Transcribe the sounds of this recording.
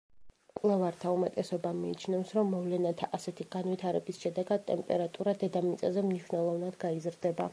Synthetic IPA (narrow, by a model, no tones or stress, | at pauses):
kʼwlˠɛvaɾt̪ʰaumɛt̪ʼɛsɔbamiːt͡ʃʰnɛfsɾɔmːɔvlɛnat̪ʰaʔasɛt̪ʰiɡanvit̪ʰaɾɛbisʃɛd̪ɛɡad̪̚t̪ʼɛmpʼɛɾat̪ʼuɾad̪ɛd̪amit̪sʼɛzɛmniʃvnɛlˠɔvnad̪ɡaizɾd̪ɛba